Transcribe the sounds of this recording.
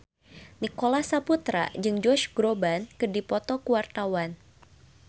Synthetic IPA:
nikolasaput̪ɾa̰d͡ʒɨŋd͡ʒɔʃɡ̥ɾobankɨrdipɔt̪ɔkuwart̪awan

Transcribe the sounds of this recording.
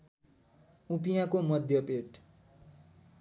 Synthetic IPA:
upijakomʌd̪ʱjʌpeʈ

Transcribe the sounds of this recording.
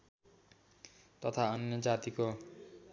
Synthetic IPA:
t̪ʌt̪ʰaʌnjʌd͡zat̪iko

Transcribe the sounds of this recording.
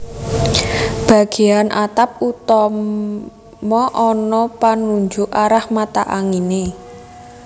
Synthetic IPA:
b̥a̤ɡ̥e̤anʔat̪ap̚ut̪ɔ | mɔʔɔnɔpanuɲd͡ʒʊʔaɾahmat̪aʔaŋine

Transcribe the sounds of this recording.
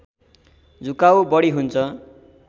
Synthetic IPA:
d͡zʱukawbʌɽiɦunt͡sʰʌ

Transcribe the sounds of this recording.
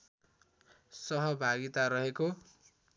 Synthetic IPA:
sʌɦʌbʱaɡit̪aɾʌɦeko

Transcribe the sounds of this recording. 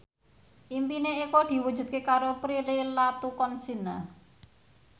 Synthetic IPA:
ʔimpineikod̪̥i̤wud̥ʒ̥ṳt̪̚kekaɾopɾilelat̪ukɔnsina

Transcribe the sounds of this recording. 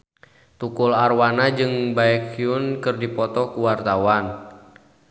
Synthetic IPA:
t̪ukularwanad͡ʒɨŋbaɛkiunkɨrdipɔt̪ɔkuwart̪awan

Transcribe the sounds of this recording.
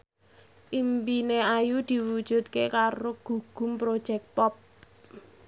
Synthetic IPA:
ʔimpineajud̪̥i̤wud̥ʒ̥ṳt̪̚kekaɾoɡ̥ṳɡ̥ʊ̤mpɾod̥ʒ̥ɛk̚pɔp̚

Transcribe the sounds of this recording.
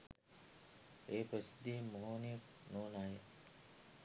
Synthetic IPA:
eːpɾəsid̪iːmoɦoːnijək̚ | noːnaːje

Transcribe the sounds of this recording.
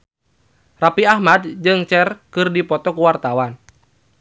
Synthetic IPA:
rapiahmad̚d͡ʒɨŋt͡ʃɛrkɨrdipɔt̪ɔkuwart̪awan

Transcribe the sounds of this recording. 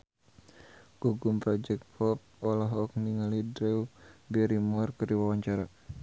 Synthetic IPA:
ɡ̥uɡumpɾɔd͡ʒɛk̚t̪̚fɔp̚ɔlaɦɔk̚niŋalidɾɛubɛɾimɔrkɨrdiwawaɲt͡ʃaɾa

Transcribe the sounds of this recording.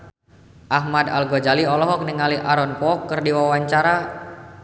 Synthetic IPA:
ʔaɦmada̰lɡɔd͡ʒaliɔlɔɦɔk̚nəŋaliʔaɾɔnpɔːkːɨrdiwawaɲt͡ʃaɾa

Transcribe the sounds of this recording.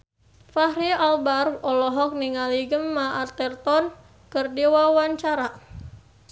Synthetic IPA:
fahɾialbarfɔlɔɦɔk̚niŋaliɡəmːaʔart̪ɛrt̪ɔn | kərdiwawaɲt͡ʃaɾa

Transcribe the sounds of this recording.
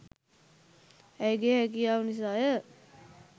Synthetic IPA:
ɛjɡeɦɛk̬ijaːunis̬aːjə

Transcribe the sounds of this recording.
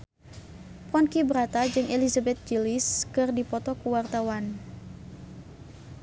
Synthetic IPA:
pɔnkibəɾat̪ad͡ʒɨŋelizabɛt̪̚d͡ʒiliskɨrdipɔt̪ɔkuwart̪awan

